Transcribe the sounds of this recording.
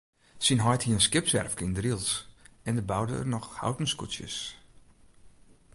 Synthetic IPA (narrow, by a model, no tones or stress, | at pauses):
sinɦɔjthiəənskɪpsɛ̰rfkɪŋdrilˠtɛndəbawdə̰ə̰rnɔxha̰wtən̩skusjə̰s